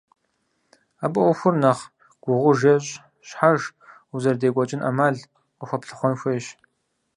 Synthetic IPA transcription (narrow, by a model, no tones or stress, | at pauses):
aːbʼɨɔxʷʊrnɐχ | ɡ̥ʷʊʁʷʊʒɐɕʼ | ɕħaʒ | uzɐrdeːkʷʼɔt͡ʃʼɪnʔa̰maːɮ | qəxʷɐpɬɨ̥χʷɔnxʷɔjɕ